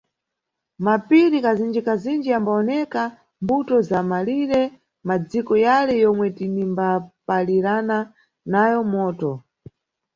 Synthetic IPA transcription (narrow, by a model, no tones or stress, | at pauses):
mapiɾikazind͡ʒikazind͡ʒiambaɔnɛka | mbutɔzamaliɾɛ | mad͡zikɔjalɛjɔmwɛtinimbapaliɾana | najɔmɔːtɔ